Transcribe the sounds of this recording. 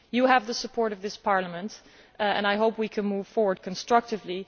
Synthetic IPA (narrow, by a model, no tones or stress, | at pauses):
jɨəvðəsəpʰɔɹɾʌvðɪspʰɑɹləmɨ̃nt | ɨ̰̃naɪɦoʊpwikʰɨ̃nmuv̥fɔɹwə˞d̚kʰə̃n̩stɹ̥ʌk̚tɨvli